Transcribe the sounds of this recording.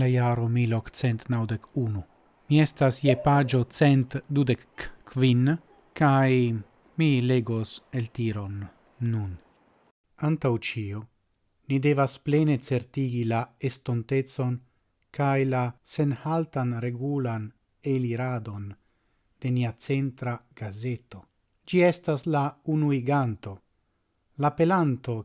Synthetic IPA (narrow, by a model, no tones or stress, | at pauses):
lajaɾomilokt͡sent̪nawd̪ekunu | miest̪asjepad͡ʒot͡sent̪d̪ud̪ekːvin | kaj | mileɡoselt̪iɾo̞nː | un | ant̪awt͡ʃio | nid̪evasplenet͡se̞ɾt̪iɡilaestontet͡so̞n | kajlase̞nhaltanɾe̞ɡulan | eliɾad̪o̞n | d̪̥e̞niat͡se̞nt̪ɾaɡ̥azeto̞ | d͡ʒiestaslaunuiɡant̪o̞ | lape̞lant̪o̞